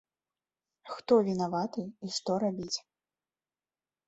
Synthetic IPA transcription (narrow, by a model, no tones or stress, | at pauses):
xt̪ɔvʲinavat̪ɨiʂt̪ɔɾabʲit͡sʲ